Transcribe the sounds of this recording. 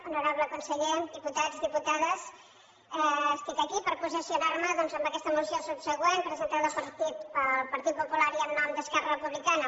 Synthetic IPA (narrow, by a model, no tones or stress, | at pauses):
unuɾaβləkunsəʎed̪iput̪ad͡zðiput̪aðəs | ɛəsk̪ət̪ekipəɾpuzisiunaɾməðɔnzəmbəkɛst̪əmusiosubsəɣwenpɾəzənt̪aðəpəɾt̪it̪əlpəɾt̪it̪̚pupulaɾiənːɔmd̪əskɛrərəpuβlikanə